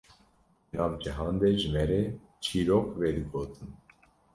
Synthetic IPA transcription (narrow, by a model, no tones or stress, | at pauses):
nɑːvd͡ʒɨɦɑːnd̪eʒɨmɛɾeː | t͡ʃʰiːɾoːkveːd̪ɨɡoːt̪ʰɨn